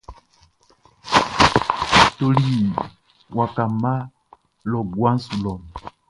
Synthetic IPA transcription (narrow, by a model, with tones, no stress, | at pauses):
to˨li˦˨ | wa˨ka˨ma˦ | lɔ˨ɡwa˦n˦su˨lɔ˨m